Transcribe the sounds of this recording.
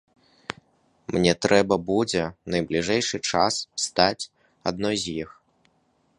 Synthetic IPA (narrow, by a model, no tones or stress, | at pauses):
mnʲɛt̪ɾɛbɐbud͡zʲɛnɐjblʲiʐɛjʂɨt͡ʂasst̪at͡sʲ | a̰d̪̚nɔjzʲjix